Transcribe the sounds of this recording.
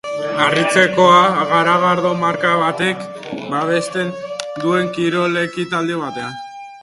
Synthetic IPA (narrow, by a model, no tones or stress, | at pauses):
arit͡se̞ko̞aɣaɾaɣaɾðo̞maɾkaβat̪e̞k | baβ̞e̞st̪e̞nd̪ue̞ŋkiɾo̞le̞kit̪ald̪eβ̞at̪ean